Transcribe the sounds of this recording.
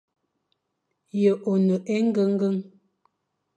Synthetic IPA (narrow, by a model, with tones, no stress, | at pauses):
jə˨ʔo˨nə˨ʔɛ˦ŋ̩˦ɡə˦ŋ̩˦ɡə˦ŋ